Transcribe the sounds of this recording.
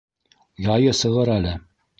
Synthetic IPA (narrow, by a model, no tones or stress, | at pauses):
jɑjɤsɤ̆ʁɤɾælɘ